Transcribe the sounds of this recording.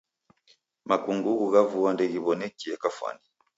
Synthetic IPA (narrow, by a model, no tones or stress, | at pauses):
makuŋɡuɣuɣavuwandɛɣiβɔnɛkiɛkafwa̰ni